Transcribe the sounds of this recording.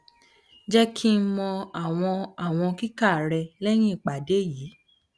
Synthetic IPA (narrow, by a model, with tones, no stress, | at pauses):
d͡ʒɛ˦kʰi˦mɔ̃˧a˦˨w̃ɔ̃˧a˦˨w̃ɔ̃˧ki˦ka˦˨ɾɛ˧lɛ˦j̃ĩ˦i˦˨k͡pa˨de˨˦jiː˨˦